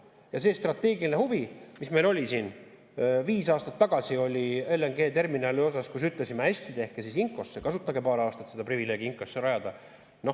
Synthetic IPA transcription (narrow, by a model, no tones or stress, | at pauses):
jɑse̞ːst̪rɑt̪ːˑe̞ːɡilinehuvimisme̞jlo̞lʲisiːn | viːsɑːst̪ɑ̥t̪ːɑɡ̥ɑsio̞lʲieleŋɡe̞ːt̪e̞rminɑːlio̞s̬ɑskus̬yt̪ˑle̞simeæsʲt̪id̪̥ehkːesisiŋko̞sːekɑsut̪ːˑɑɡe̞pɑːɾeɑːst̪ɑt̪se̞d̪̥ɑprivile̞ːɡiiŋkːˑo̞sːeɾɑjɑd̪̥ɑ | no̞